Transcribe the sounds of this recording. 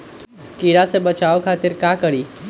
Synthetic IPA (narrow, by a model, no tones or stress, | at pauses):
kiːɽasebɐt͡ʃaːokʰaːt̪ɪɾkaːkɐɽiː